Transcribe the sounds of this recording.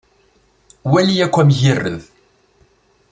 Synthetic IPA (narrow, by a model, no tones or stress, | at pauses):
wælijækʷːæmʝərːə̰ð